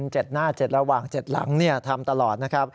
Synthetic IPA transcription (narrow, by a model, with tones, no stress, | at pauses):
nt͡ɕe˨˩t̪̚naː˥˩t͡ɕe˨˩t̪̚ɾa˧waː˨˩ŋt͡ɕe˨˩t̪̚la̰˩˦ŋni˥˩ɐt̪ʰa˧mt̪a˧lɔː˨˩t̪̚na˦˥kʰa˦˥p̚